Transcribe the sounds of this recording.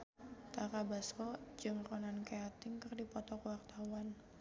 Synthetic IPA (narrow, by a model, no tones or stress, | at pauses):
t̪akabaskɔ̥d͡ʒɨŋrɔnankeat̪ɪŋkərdipɔt̪ɔkwart̪awan